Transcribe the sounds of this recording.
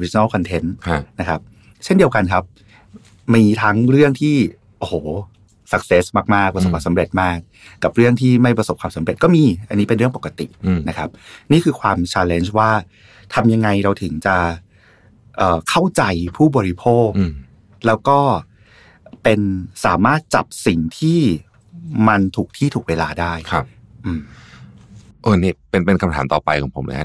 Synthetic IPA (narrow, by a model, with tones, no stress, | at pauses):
wi˦˥˧na˥˩kʰɔ˧nt̪ʰe˦˥nʰna˦˥kʰa˦˥p̚ | t͡ɕʰe˥˩ndi˧əwka˧nkʰa˦˥p̚ | miː˧t̪ʰa˦˥ŋɾɯ˥˩əŋt̪ʰiː˥˩ | ʔo˨˩hoː˩ | sa˨˩k̚seː˦˥smaː˥˩k̚maː˥˩k̚pɾkʰaː˧˩sa˨˦mɾe˨˩t̪̚maː˥˩k̚ː | a˨˩p̚ɾɯ˥˩əŋt̪ʰiː˥˩ma˥˩jpɾa˧so˨˩p̚kʰaː˧sa˩˦mɾe˨˩t̪̚kɔː˥˩miː˧ʔa˧nːiː˦˥pe˧nɾɯ˥˩əŋpo˨˩ka˧t̪ḭ˨˩na˦˥kʰa˦˥p̚niː˥˩kʰɯː˧kʰwaː˧mt͡ɕʰaː˧le˦˥nt͡ɕwaː˥˩ | t̪ʰa˧mja˧ŋːa˧jɾa˧wt̪ʰɯ˩˦ŋt͡ɕa˨˩ | ʔɤː˨˩kʰa˥˩wt͡ɕa˧jpʰuː˥˩bɔː˧ɾi˦˧˥pʰoː˥˩kː | lɛː˦˥wkɔː˥˩ | pe˧nsaː˩˦maː˥˩t̪̚t͡ɕa̰˨˩p̚si˨˩ŋt̪ʰiː˥˩ | ma˧nt̪ʰuː˨˩k̚t̪ʰiː˥˩t̪ʰuː˨˩k̚weː˧laː˧daː˥˩jkʰa˦˧p̚ | ʔɯː˧m | ʔɤː˧˩niː˥˩pe˧npe˧nkʰa˧mt̪ʰaː˩˦mt̪ɔ̰ː˨˩pa˧jkʰɔː˩˦ŋpʰo̰˩˦mna̰˦˧ka̰˦˥